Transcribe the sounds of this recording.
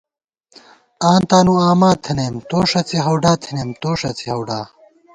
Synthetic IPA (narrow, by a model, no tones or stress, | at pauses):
aːnt̪aːnuaːmaːt̪ʰɐneːmt̪oːʂɐt͡siɦɐwɖaːt̪ʰinemt̪oːʂɐt͡sʰihɐwɖaː